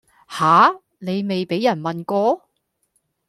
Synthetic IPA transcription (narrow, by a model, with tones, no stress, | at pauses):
haː˨˥ | ne˨˧jme˨jpe˨˥jːɐ˨˩nmɐ˨nkɔː˧